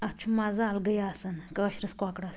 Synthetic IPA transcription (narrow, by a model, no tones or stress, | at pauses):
ɐt͡ʃʰumazaːlɡɐjaːsɐnkɐɐɕɾɐskakɽas